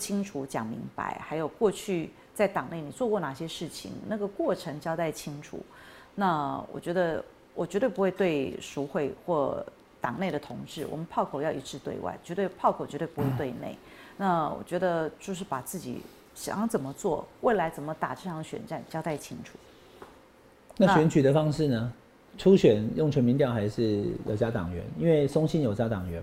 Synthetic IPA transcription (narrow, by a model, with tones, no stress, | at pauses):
t͡ɕʰi˥ŋʈ͡ʂʰu˧˥t͡ɕjɑ̰˨˩ŋmḭ˧˥ŋpa̰˧˥ɪxa˧˥ɪjo˨˩ʊkwɔ˥˧t͡ɕʰy˥˩ | t͡sa˥˩ɪt̪ɑ˨˩ŋne˥˩ɪni˨˩t͡swɔ˥˧kwɔ˥˩na˨˩ɕjɛ˥ʂɻ̩˥˩t͡ɕʰḭ˧˩ŋna˥˩ɡə˩kwɔ˥˩ʈ͡ʂʰɤ˧˥ŋt͡ɕjɑ˥ʊt̪a˥˩ɪt͡ɕʰi˥ŋʈ͡ʂʰṵ˨˩˦ | na˥˩wʔɔ̰˨˩t͡ɕɥɛ˧˥d̪ə˧ | wʔɔ˨˩t͡ɕɥɛ˧˥t̪we˥˩ɪpu˧˥xwe˥˧ɪt̪we˥˧ɪʂu˧˥xwe˥˧ɪxwɔ˥˩ | t̪ɑ˨˩ŋne˥˩ɪd̪ə˩t̪ʰʊ˧˥ŋʈ͡ʂɻ̩˥˩wɔ̰˨˩mə˦npʰɑ˥˩ʊkʰo˨˩ʊjɑ˥˩ʊi˧˥ʈ͡ʂɻ̩˥˧t̪wḛ˥˧ɪwa̰˥˩ɪt͡ɕɥɛ˧˥t̪we˥˧pʰɑ˥˩ʊkʰo˨˩ʊt͡ɕɛ˧˥t̪wpu˧˥we˥˧ɪt̪we˥˧ɪnḛ˥˩ɪ | na˥˩wɔ̰˨˩t͡ɕɥɛ˧˥d̪ə˧t͡ɕjo˥˧ʊʂ̬ɻ̩˥˩pa˨˩t͡sɹ̩˥˩t͡ɕḭ˨˩ | ɕɑ̰˨˩ɑ˧˥ŋt͡sə˨˩nmə˦t͡swɔ˥˩we˥˩ɪla˧˥ɪt͡sə˨˩nmə˦t̪a̰˨˩ʈ͡ʂɤ˥˩ɑ˧˥ŋɕɥɛ̰˨˩nʈ͡ʂa˥˩nt͡ɕjɑ˥˧ʊt̪a˥˩ɪt͡ɕʰi˥ŋʈ͡ʂʰu̥˨˩ | na˥˩ɕɥɛ˧˥nt͡ɕʰy˨d̪ə˦fɑ˥ŋʂɻ̩˥˩nə˨ | ʈ͡ʂʰu˥ɕɥɛ˨˩njʊ˥˩ŋʈ͡ʂʰə˧˥nmi˧˥nt̪jɑ˥˩ʊxa˧˥ɪʂɻ̩˥˩jo˨˩ʊt͡ɕja˦˥t̪ɑ̰˨˩ŋɥɛ̰˧˦ni˥nwe˥˩ɪsʊ˥ŋɕi˥njo˨˩ʊt͡ɕja˥t̪ɑ˨˩ŋɥɛ˧˦